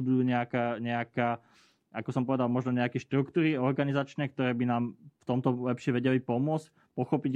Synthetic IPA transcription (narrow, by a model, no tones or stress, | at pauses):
ud̪uːɲɛakaːɲɛakaː | akɔsɔmpɔʋɛd̪almɔʒnɔɲɛakɛʃt̪ɾukt̪uːɾiɔɾɡanizat͡ʃnɛk̚t̪ɔɾɛːbinaːmft̪ɔmt̪ɔlɛpʃɪɛʋɛɟɛlipɔmʊɔt͡sc | pɔxɔpiɟ